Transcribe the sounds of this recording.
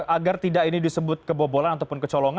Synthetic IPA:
aɡart̪idaʔkinidisəbʊt̪̚kəbobolanat̪auwpʊnkət͡ʃɔlɔŋa

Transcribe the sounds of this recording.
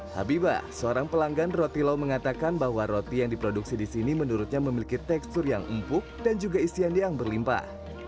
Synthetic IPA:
ha̰biba̰səoɾaŋpəlaŋɡanrot̪ilawməŋat̪akanbahwaɾot̪ijaŋdipɾoduksidisinimənuɾut̪̚ɲaməmilikit̪ɛkst̪ʊrjaŋə̰mpʊk̚dand͡ʒuɡaisiandiaŋbərlimpa̰

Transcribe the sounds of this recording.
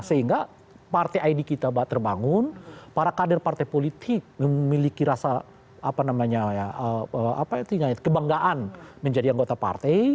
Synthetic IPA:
səɦiŋɡa | part̪eʔaidikit̪abaat̪ːərbaŋʊnpaɾakadərpart̪ajpolit̪ʰɪk̚məmilikiɾasa | apanamaɲajaəəʔa̰pait̪uɲakəbaŋɡaʔanməɲd͡ʒadiaŋɡot̪apa̰rt̪ej

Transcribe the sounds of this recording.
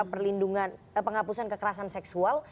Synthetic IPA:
pərlinduŋan | pəŋɦapusankəkəɾasansɛksual

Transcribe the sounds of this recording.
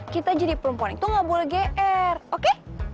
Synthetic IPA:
kit̪ad͡ʒadipəɾumpanɪŋt̪ʊŋabulɡeʔɛroke

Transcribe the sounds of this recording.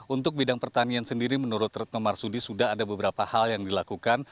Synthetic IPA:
unt̪ʊk̚bidaŋpərt̪aniansəndiɾimənuɾʊt̪rɛt̪̚nɔmarsudisudaɦadabəbəɾapahaljaŋdilakukan

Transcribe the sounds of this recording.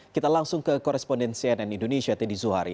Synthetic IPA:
kit̪alaŋsʊŋkəkɔɾɛspɔndɛnsiɛnɛnindoneʃiat̪ɛdizuɦaɾḭ

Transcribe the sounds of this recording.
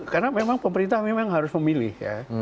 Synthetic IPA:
karnamemaŋpəməɾint̪ahmemaŋɦaɾʊsməmilɪ̰hja̰

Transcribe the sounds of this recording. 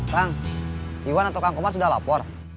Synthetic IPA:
t̪aŋ | iwanat̪awkaŋkɔmars̬udahla̰pɔr

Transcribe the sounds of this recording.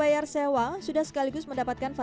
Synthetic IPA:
ajarsewaŋsudahsə̥kaliɡʊsməndapat̪̚kanfa

